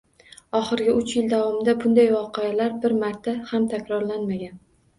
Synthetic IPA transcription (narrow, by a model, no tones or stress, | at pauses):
ɒχɨɾɡʲɪʔʊt͡ʃjɪld̪avɒmɪd̪abʊnd̪ajvɒqʰealaɾbɪɾmaɾt̪ʰahamt̪ʰakʲɾɒɾlanmaɡʲan